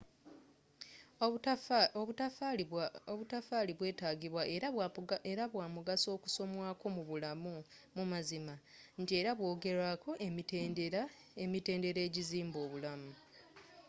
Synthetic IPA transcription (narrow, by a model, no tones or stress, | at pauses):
oβutafaːliβwe̞ːtaːɡiβwaʔeɾaβwaːmuɡaso̞ːku̥so̞mwaːko̞muβulamu | mumazimantie̞ɾaβwo̞ːɡe̞ɾakʰo̞ʔe̞miteːndeɾa | emite̞ːnde̞ɾe̞ːɟiziːmbo̞ːβulamu